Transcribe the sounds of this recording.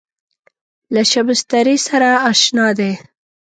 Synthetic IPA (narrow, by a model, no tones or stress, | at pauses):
laʃabɪst̪aɾisaɾaːʃnɑd̪e